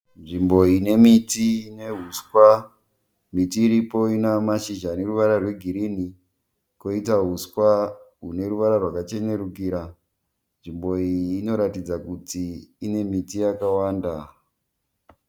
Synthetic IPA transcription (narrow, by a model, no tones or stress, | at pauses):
nʐimbo̞ine̞mitiineɦuskwa | mitiːɾipo̞inamaʃiʒane̞ruʋaɾarwe̞ɡʱiɾini | ko̞itaɦuskwaɦune̞ɾuʋaɾarwakat͡ʃe̞ne̞ɾukiɾa | nʐimbo̞iːno̞ɾatid͡zakutiːne̞mitijakawaːnda